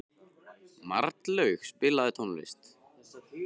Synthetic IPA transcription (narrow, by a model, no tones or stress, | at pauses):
ma̰ɾt̪lœɥxspɪlaðɪt̪ʰonlɪ̰st̪